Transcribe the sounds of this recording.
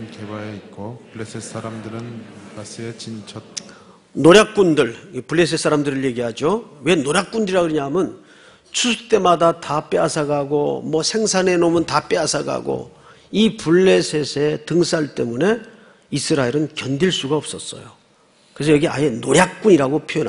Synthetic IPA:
nkebaeit̚k͈opuɭːesʰesaɾamdɯɾɯnasʰeet͡ɕint͡ɕʰʌt̚ | noɾjak̚k͈undɯɭpuɭːe̞sʰes͈aɾamdɯɾɯɭje̞ɡiɦad͡ʑowe̞noɾjak̚k͈undɯɾiɾaɡɯɾiɲaɦmjʌn | t͡ɕʰusʰɯ̥t͈e̞madatap͈easʰaɡaɡo̰mʌsʰe̞ŋsʰane̞nomɯntap͈easʰaɡa̰ɡo̰ | ipuɭːe̞sʰe̞sʰe̞tɯŋs͈ʰaɭt͈e̞mune̞ | isʰɯɾaeɾɯnkjʌndiɭs͈uɡaʌp̚s͈ʌs͈ʌ̰jo | kɯes̬ʰʌjʌɡia̰jenoɾjak̚k͈uɲiɾaɡopʰojʌn

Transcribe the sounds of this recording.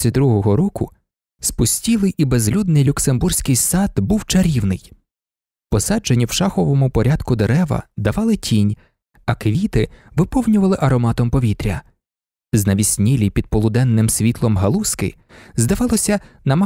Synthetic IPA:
id̪ɾuɦɔɦɔɾɔkʊ | spʊsʲtʲilˠɪjibezlʲud̪nɪjlʲʊkse̞mbursʲkɪjsɑd̪buwt͡ʃɐɾʲiwnɪj | pɔsɑd͡ʒenʲːiwʃɑxɔʋɔmʊpɔɾʲad̪̥kʊd̪eɾɛʋɐ̰d̪ɐʋɑlˠɪtʲʰinʲ | ɐkʋʲit̪ɪʋɪpɔwnʲʊʋɐlˠɪʔɐɾɔmɑt̪ɔmpɔʋʲit̪ɾʲɐ | znɐʋʲisʲnʲilʲipʲid̪̚pɔlˠʊd̪ɛnːɪmsʲʋʲit̪lˠɔmɦɐlˠuskɪ̰ | zd̪ɐʋɑlˠɔsʲɐnɐmɐ

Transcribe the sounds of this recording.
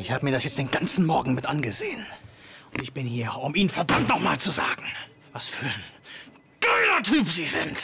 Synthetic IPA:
ʔɪçhaːbəmiːɐɾasjɛt͡std̥eːnɡant͡sn̩mɔɐɡŋ̩mɪtʔanɡəzeːənʊntɪçb̥ɪnhiːɐʊmiːnənfɛɐdamtnɔχmaːlt͡suza̰ːɡŋ̩ | vasfyːɐən | ɡ̥œːlɐtʰyːpz̥iːzɪnt

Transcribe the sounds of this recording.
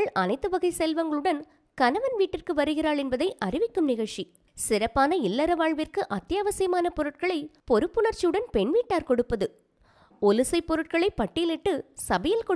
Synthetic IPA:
ɭʔɐnɐɪt̪ːɯʋɐɣɐɪsɛlʋɐŋɡɐɭɯɽɐn | kɐnɐʋɐnʋiːʈːɪrkɯʋɐɾɯɣɪraːɭɛnbɐðɐɪʔɐrɪʋɪkːɯmnɪɣɐɻt͡ʃi | sɪɾɐpːaːnɐɪlːɐɾɐʋaːɻʋɪrkɯʔɐt̪ːjaːʋɐsɐjɐmaːnɐpɔɾɯʈ̚kɐɭɐɪpɔɾɯpːɯɳɐɾt͡ʃːijɯɽɐnpɛɳʋiːʈːaːɾkɔɽɯpːɐðɯ | ɔlɯsɐɪpːɔɾɯʈ̚kɐɭɐɪpɐʈːɪjɪlɪʈːɯsɐbɐjɐlkɔ

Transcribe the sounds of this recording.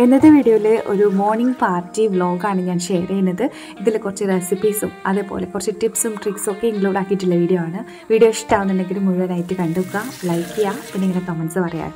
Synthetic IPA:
e̞nːɐðɨʋiːɽijoːilɨʔo̰ɾumo̞ːrɳiŋɡpaːrtːiʋɭo̞ːɡaːɳɨɲaːnɕeːrɐjinːɐðɨ | iðilkːurɐt͡ɕːɨresipiːsumɐðeːpo̰ːle̞kːurɐt͡ɕːuʈipsumʈrikso̞kːe̞iŋɡluːɽaːkːiitːilːɐʋiːɽijoaːɳɨ | ʋiːɽijo̞ːʂtːaːwunːinːeŋɡilumːuɻuʋɐnaːjitːɨkɐɳɖukːaːlɐjkːijaːpinːeŋːɐɖekomɐnsɨpɐrɐja̰ːn

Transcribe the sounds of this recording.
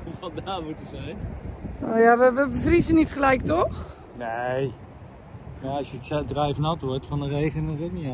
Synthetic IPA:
ufɔtdaːmutəzɛjnoːjaʋəʋəbəfrisənitχəlɛjk̚tɔχ | nej | jaɑsjəsɛdrɛjfnɑtʋɔɹtfɑndərejχənəzətni

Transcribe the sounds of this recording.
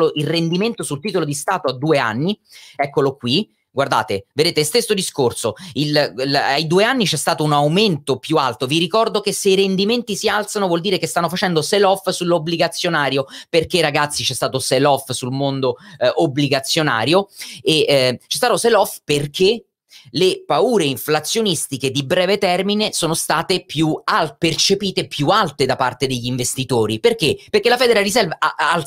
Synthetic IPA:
loʔilrend̪iment̪osult̪iːt̪olod̪ist̪aːt̪oad̪ːuːea̰nːiɛkːolokwi | ɡward̪a̰ːt̪eved̪eːt̪est̪est̪od̪iskorsoila̰jd̪uːeanːit͡ʃɛst̪aːt̪ounawment̪opjualt̪oviɾikɔrd̪ok̟eseiɾend̪iment̪isialt̪sanovwɔld̪iːɾekest̪anːofat͡ʃɛnd̪oselɔfsulːobliɡat̪sːjonaːɾjoperk̟eɾaɡat̪sːit͡ʃɛst̪aːt̪oselɔfsulmond̪oʔobliɡat̪sːjona̰ːɾjoet͡ʃɛst̪aːt̪oselɔfperk̟ʰe | lepauːɾeiɱflat̪sːjonist̪iked̪ibɾɛːvet̪ɛrminesoːnost̪aːt̪epjuapert͡ʃepiːt̪epjualt̪ed̪apa̰rt̪ed̪eʎːiɱvest̪it̪oːɾiperk̟eperkelafɛːd̪eɾarisɛlval

